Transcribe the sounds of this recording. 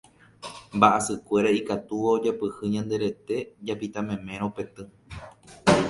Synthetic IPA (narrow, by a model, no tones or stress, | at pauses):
mbaʔasɨkʷe̞ɾaikat̪uʋaod͡ʒapɨhɨɲãnd̪e̞ɾe̞t̪e̞d͡ʒapit̪ãmẽmẽ̞ɾ̃õpe̞t̪ɨ̃